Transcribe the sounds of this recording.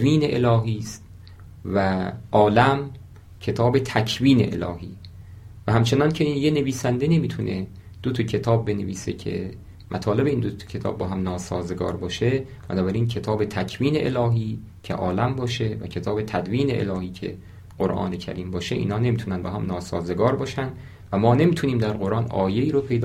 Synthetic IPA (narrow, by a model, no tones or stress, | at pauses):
viːneʔelɒːɦiːst̪̚ | væʔɒːlæm | cʰe̞t̪ʰɒːbe̞t̪ʰæcʰviːnḛʔḛlɒ̰ːhḭː | væhæmt͡ʃʰe̞nɒːncʰejene̞viːsænd̪e̞ne̞miːt̪ʰunʔe̞ | d̪̥ot̪ʰocʰe̞t̪ʰɒːb̚ːe̞neviːse̞̰cʰḛ | mʔæt̪ʰɒːle̞beiːnd̪o̥cʰe̞t̪ʰɒ̰ːb̚ːɒːɦæmnɒːsɒ̰ːzeɡɒ̰ːɾbɒːʃe | b̥ænɒːbæɾiːncʰe̞t̪ʰɒːbe̞t̪ʰæcʰviːne̞ʔḛlɒːɦiː | cʰḛʔɒːlæmbɒːʃe̞væ̰cʰe̞t̪ʰɒːbe̞t̪ʰæd̪viːne̞̰ʔḛlɒːhiːcʰe̞̰ | ɢ̥oɾʔɒ̰ːnecʰæ̰ɾiːmbɒːʃeʔḭːnhɒːne̞mit̪ʰunænbɒɦæmnɒːsɒ̰ːze̞ɡɒːɾbɒːʃænd̪ | væmɒːne̞miːt̪ʰuniːmd̪æɾɢo̞ɾʔɒːnʔɒ̰ːje̞iːɾopʰe̞jd̪